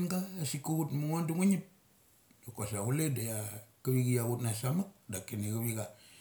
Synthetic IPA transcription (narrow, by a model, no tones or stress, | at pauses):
nɡaːsikːuɣutmuŋanduŋuɲip̚ | dokasaɣuledajakaβiɡijaɣutnasamak̚dakeniɡaβiɡa